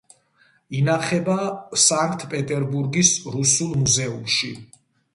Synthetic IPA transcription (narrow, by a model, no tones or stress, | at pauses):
inaχɛbasaŋkʰt̪ʼʰpʼɛt̪ʼɛɾbuɾɡisɾusulˠmuzɛumʃi